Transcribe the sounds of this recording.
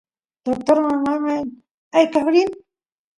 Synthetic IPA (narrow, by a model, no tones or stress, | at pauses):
d̪̥ok̚t̪oɾmamamaj | ajkahɾin